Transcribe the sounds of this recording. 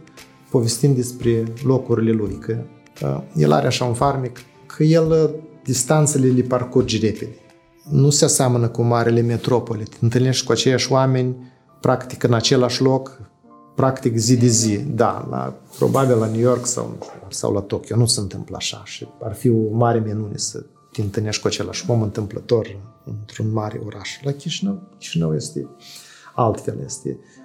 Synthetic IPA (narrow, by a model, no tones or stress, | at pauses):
po̞ve̞st̪imd̪e̞spɾe̞lo̞kuɾʲile̞lujkʰə | jḛlʔa̰ɾeaʃaunfarmik | kʰəje̞ld̪ist̪ant̪səleliparkurd͡ʒre̞ped̪e | nuseaseamənəkumaɾile̞me̞t̪ɾo̞po̞lit̪ʲɨnt̪ɨlne̞ʃt̪ʲkuat͡ʃe̞jaʃʲoame̞nʲ | pɾʔakt̪i̥kɨnat͡ʃe̞laʃlo̞k | pɾakt̪ikzid̪ezid̪a̰la̰pɾo̰babillanujo̞rksa̰wnsa̰wlat̪o̞kʲionusənt̪ɨmpla̰ʃa̰ʃiarfiomaɾʲeminunḛsə̰ | t̪ʲeɨnt̪ɨlne̞ʃt̪ʲkuat͡ʃe̞la̰ʃʲmomɨnt̪ɨmplət̪o̞rɨɨnt̪ɾunmaɾḛoɾaʃlakʲiʃinəwkʲi̥ʃinəwjest̪ḛ | alt̪fe̞̰ljḛst̪ḛ